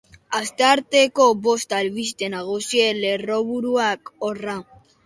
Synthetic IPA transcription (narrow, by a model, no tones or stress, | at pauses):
ast̪aɾt̪ekobost̪alβist̪enaɣosieleroβuɾuakora